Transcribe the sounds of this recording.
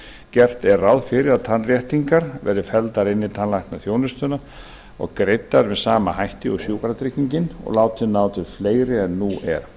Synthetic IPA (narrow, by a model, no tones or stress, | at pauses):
cɛr̥t̪ɛrːawðfɪɾɪðaðt̪ʰanrjɛht̪iŋkaɾvɛɾðʏfɛlt̪aɾɪnːɪt̪ʰanlajhknaθjoːwnʏst̪ʏna | ɔ̰ɣkɾejt̪ːaɾvɛðsaːmahajht̪ɪɔsjuːkaɾat̪ʰɾɪhcːiɲcɪnɔ̰ɣlaːwt̪ʰːɪlnaːwt̪ʰɪlfleːjɾɪɛnːuʔɛ̰ɾ̥